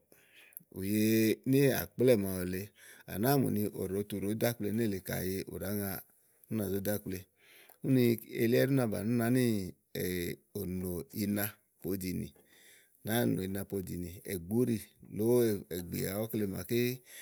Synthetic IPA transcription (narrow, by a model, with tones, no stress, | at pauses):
ṵ˨je˧ne˦a̰˨k͡plɛ˦˨ma˨o˨le˧a̰˨na˨˦˨mṵ˨ni˧ʔo̰˨ɾo˨˦tu˧˨ɾo˨˦da˦k͡ple˧n˦e˦˨le˨ka̰˨je˧ʔo̰˨ɾa˨˦ŋa˧ | nu˦na˨zo˦da˦k͡ple˧ | u˦ni˧ḛ˧li˦ɛ˦ɾu˦na˧˨ba̰˨nu˦na˨˦ni˦˨ | o˨no˨i˧na˧ | po˧˦di˧nḭ˨ | na˨˦˨no̰˨i˧na˧po˧di˨ni˨ɛ̰˨ɡ͡bu˦ɾi˦lo˨˦˨ɛ˨ɡ͡bḭ˨a˨˦o˦kle˧ma̰˨ke˦